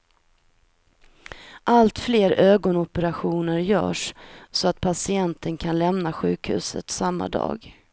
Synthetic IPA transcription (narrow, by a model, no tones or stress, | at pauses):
ʔalt̪fleːɾøːɡɔnɔpəɾaɧuːnəɾjœ̰ːʂsɔat̪̚pʰasɪɛnt̪ʰənkʰanlɛmnaɧʉ̟ːkhʉ̟ːsə̰t̪samːa̰d̪ɑ̰ːɡ